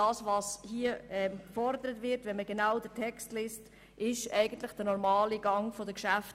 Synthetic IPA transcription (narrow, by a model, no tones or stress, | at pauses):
ɑːsʋɑshiəɛmkfɔɾdəɾətʋɪɾtʋɛnməɡenaʊdətʰɛkstleːst | ʔɪʃɛɪɡəntləχd̥ənɔɾmɑːliɡɑŋfodəkʃæft